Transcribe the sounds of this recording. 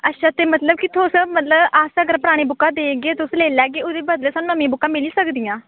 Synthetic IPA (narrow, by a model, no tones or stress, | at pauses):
ətːʃʰaːt̪eːmət̪ləb̚kɪt̪ʰːõsmət̪ləbaːsəɡəɾpəɾaːɽ̃eːbʊkːãːd̪eːɡeːt̪ʊsleːlɛːɡeːʊd̪eːbəd̪leːsaːnũːəmẽːbʊkːãːmɪliːsəkd̪ijãː